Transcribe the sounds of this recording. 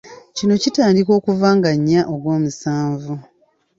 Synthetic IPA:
cino̞citaːndiko̞ːkuvaːŋɡaɲːaʔoɡwo̞ːmusaːɱvu

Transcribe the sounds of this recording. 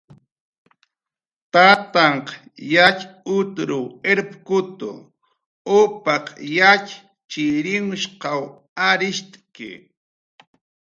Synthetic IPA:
t̪at̪ɑɴq | jat͡ʃʊt̪ɾʊeɾpkʊt̪ʊ̰ | ʊpɑqjat͡ʃ | t͡ʃɪɾɪŋʊʃqɑw | aɾɪʃt̪ʼkɪ̰

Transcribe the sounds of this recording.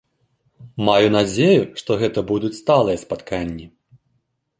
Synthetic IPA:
majunad͡zʲejuʂt̪ɔɣɛt̪ɐbud̪ut͡sʲst̪alˠɨjɐspat̪kʰanʲːi

